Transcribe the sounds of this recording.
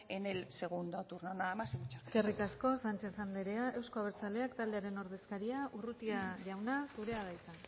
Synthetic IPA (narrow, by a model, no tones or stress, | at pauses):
enelse̞ɣund̪ot̪urnonaːmasimt͡ʃḁeske̞rikasko̞sant͡ʃe̞θand̪eɾe̞aʔe̞wsko̞aβ̞eɾt͡sale̞akt̪ald̪e̞aɾe̞no̞ɾð̞e̞skaɾiaʔurut̪iaʝawnasuɾe̞aβ̞ajt̪a